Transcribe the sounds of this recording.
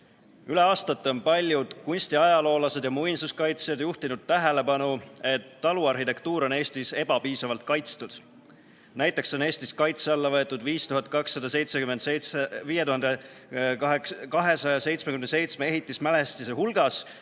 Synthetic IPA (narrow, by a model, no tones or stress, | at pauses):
yle̞ɑːst̪ɑt̪ːˑeo̞npɑlʲjud̪̥kunʲst̪iɑjɑlo̞ːlɑse̞d̪̥jɑmujnsuskɑjt̪sjɑd̪juht̪inud̪̥̚t̪æɦe̞le̞pɑnue̞t̪ːɑluɑrhit̪e̞kt̪uːɾo̞ne̞ːst̪ise̞b̥ɑpiːsɑvɑlt̪̚kɑjt̪st̪ud̪̥ | næjt̪ːˑe̞ksːene̞ːst̪iskɑjt̪seɑlːɑvɤet̪ːˑud̪viːst̪uɦɑt̪̚ˑkɑksːɑd̪̥ɑse̞jt̪sekyme̞nd̪eviːjeuɦɑnd̪e | kkɑɦe̞sɑjɑse̞jt̪smekymnse̞jt̪smee̞ɦit̪ːˑismæle̞st̪iseɦulɡ̥ɑs